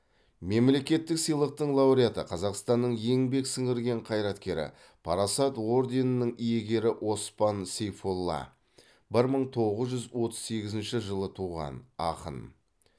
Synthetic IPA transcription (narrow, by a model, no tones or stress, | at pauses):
me̞mle̞kʲe̞t̪ːɪksəjlˠəq̚t̪əɴlˠɑwɾijat̪əqʰɑzɑqst̪ɑnːəɴje̞ŋbe̞ksəŋɪɾɡʲe̞ɴqʰɑjɾɑt̪kʲe̞ɾɪ̰ | pʰɑɾɑsɑt̪o̞ɾd̪enənːəŋije̞ɡʲe̞ɾɪʔwʔo̞spɑnsejfolˠːɑ̰ | bɪɾməɴt̪ʰo̞ʁəzʒʏzwo̞t̪ə̥zse̞ɡʲɪzɪnʃɪʒəlˠət̪ʰuʁɑ̰nɑ̰qə̰n